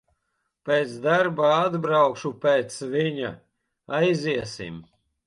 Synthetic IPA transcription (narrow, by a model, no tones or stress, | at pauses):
pʲeːt̪sd̪aɾbaad̪bɾawkʃupeːt̪sviɲa̰ | ajziɛsḭm